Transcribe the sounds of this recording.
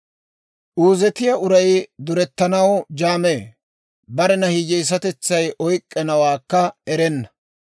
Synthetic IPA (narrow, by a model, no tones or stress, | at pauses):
ʔuːzɛt̪ɪjɐʊɾɐjd̪ʊɾɛt̪ːɐnɐwd͡ʒaːmeː | bɐɾɛnɐhiːd͡ʒɛjs̬ɐt̪ɛt͡sːɐjʔɔjkʼːɛnɐwaːkːɐɛɾɛnːɐ̥